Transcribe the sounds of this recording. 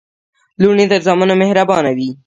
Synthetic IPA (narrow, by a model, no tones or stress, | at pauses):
luɳit̪əɾzɑmanomehɾabɑnawi